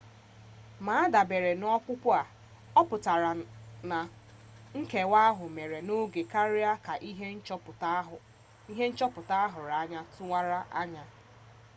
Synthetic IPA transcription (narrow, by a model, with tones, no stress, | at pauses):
ma˨a˦da˨be˨ɾe˨n˦ɔ˦kʷʊ˦pʷʊ˦a˨ | ɔ˦pʊ˨ta˨ɾa˨na˨ | ŋ̩˦ke˨wa˦ɦʊ˨me˨ɾe˨no˦ɡe˨ka˦ɾɪ˦a˦ka˨ʔi˦ɦe˦n̩˦t͡ʃpɦ | i˦ɦe˦n̩˦t͡ʃɔ˦pʊ˨ta˦a˦ɦʊ˨ɾa˨˦ɲa˦tʊ˦ŋa˦ɾa˦ʔa˦ɲa˦